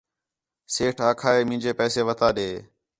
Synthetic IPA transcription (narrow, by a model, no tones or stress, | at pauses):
seːʈʰaːkʰaːeːmɪ̃ːd͡ʒeːpɛːseːʋət̪aːɗeː